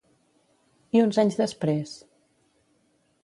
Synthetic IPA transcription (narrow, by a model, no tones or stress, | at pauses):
iunzaɲzðəspɾes